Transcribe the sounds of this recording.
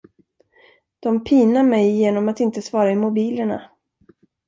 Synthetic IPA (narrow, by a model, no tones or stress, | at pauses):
d̪̥ɔmpʰiːnamɛjːeːnɔmat̪ɪnt̪əsvɑːɾaɪmʊbiːləɳa̰